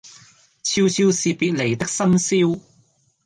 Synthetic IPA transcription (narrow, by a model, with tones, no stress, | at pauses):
t͡sʰi˧wt͡sʰi˧wsiː˨˩piː˨˧t̚le˨˩jt̪ɪ˥k̚sɐ˥msi˥w